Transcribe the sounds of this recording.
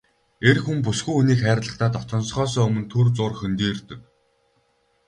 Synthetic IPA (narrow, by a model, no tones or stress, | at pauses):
erxump̬usɡujxuniːkχæːɾʲɮə̆χt̪aːt̪ɔt̪ʰɞ̆nsχɔːs̬ɔːɵmɵ̆nt̪ʰurt͡sʊːrxɵnt̪iːrt̪ɘ̆k̚